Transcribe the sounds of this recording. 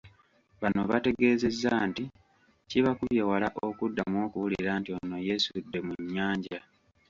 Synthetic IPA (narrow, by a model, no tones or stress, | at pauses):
βanoβate̞ɡe̞ːze̞zːaːnti | ciβakuβjewalaʔo̞kudːamo̞ːkuwulḭɾaːntio̞no̞jesudːe̞muɲːaːɲɟa